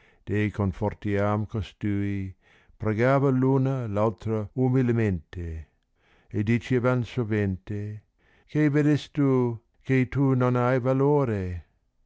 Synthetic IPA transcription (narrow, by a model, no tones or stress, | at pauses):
d̪̥ejkonfort̪iamkost̪ui | pɾeɡavəlunəlawt̪ɾəumilement̪e | edit͡ʃevansovent̪e | kejvedest̪u | kejt̪unonajvaloɾe